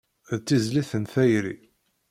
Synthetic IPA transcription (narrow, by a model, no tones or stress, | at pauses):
ðt͡s̪ːizliθənθæjɾḭ